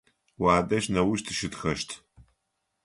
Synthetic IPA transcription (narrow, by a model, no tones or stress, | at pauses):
waːdɐʃnɐwʊʃtʰɨ̥ʃɨtxɐʃtʰ